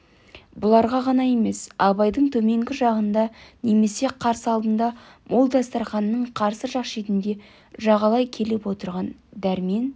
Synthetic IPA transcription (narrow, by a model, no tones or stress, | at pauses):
bʊlˠɑɾʁɑʁɑnɑje̞me̞sɑβɑjd̪əɴt̪ʰɵme̞ŋɡʲɪʒɑʁənd̪ɑne̞me̞se̞qʰɑɾsəɑlˠd̪ənd̪ɑ | mʔo̞lˠd̪ɑst̪ɑɾχɑnːəɴqʰɑɾsəʒɑqʃet̪ɪnd̪e̞ | ʒɑʁɑlˠɑjkʲʰe̞lepwo̞t̪əɾʁɑnd̪æɾme̞n